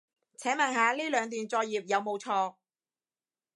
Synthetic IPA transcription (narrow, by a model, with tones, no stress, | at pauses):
t͡sʰɛː˨˥mɐ˨˩nhaː˨˧liː˥lœː˨˧ŋt̪̬yː˨˩nt͡sɔː˧k̚jiː˨˩p̚jɐ˨˧wmo˨˧wt͡sʰɔː˧